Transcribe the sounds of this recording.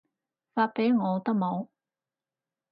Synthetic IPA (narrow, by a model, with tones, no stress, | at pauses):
faː˧t̚pe˨˥jŋɔː˨˧t̪ɐ˥k̚mo˨˧w